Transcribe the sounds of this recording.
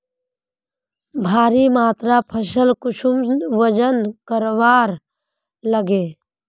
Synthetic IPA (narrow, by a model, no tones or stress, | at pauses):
bʱaːɾimaːt̪ɾapʰəsəlkʊsʰumʋəd͡ʒənkəɾʋaːɾ | ləɡe